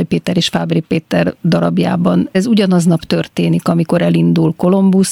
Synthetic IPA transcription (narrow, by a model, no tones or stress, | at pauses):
jpeːt̪ɛɾeːʃfaːbripeːt̪ɛrd̪ɒɾɒbja̰ːbɒnɛzuɟɒnɒznɒpt̪ø̞rt̪eːnikɒmiko̞ɾɛlind̪ulko̞lo̞mbus